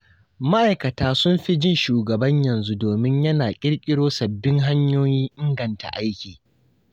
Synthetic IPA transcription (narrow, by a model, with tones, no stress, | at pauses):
ma˦ʔa˨jkɐ˨taː˦sʊ˦mɸi˦d͡ʒɪ˦nʃuː˨ɡɐ˨bɐ˦ɲjɐ˨nzu˦doː˨mɪ˦ɲjɐ˦naː˨kʲʼɪ˦ɽkʲʼɪ˦ɽoː˦sɐ˨bːɪ˦ŋɦa˦ɲjoː˦jiː˦ʔɪ˦ŋɡɐ˨nta̰˨ʔa˦jkʲiː˨